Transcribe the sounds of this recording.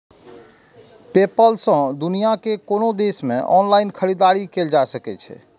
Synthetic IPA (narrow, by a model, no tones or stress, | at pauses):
pepəlsə̃d̪unijakekonod̪esmḛ̃ʔɔnlaɪnkʰəɾid̪aɾikeld͡ʒaesəkɛt͡ʃʰɛ̰